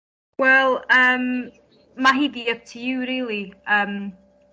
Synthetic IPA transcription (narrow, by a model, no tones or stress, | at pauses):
wɛlˠəm | maɦiːdiəp̚tʰijuɾɪːlˠiʔəm